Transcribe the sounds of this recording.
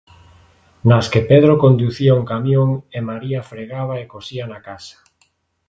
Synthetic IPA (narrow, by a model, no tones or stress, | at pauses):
naskepeðɾokond̪uθiauŋkamjõŋemaɾiafɾeɣaβ̞aekosianakasḁ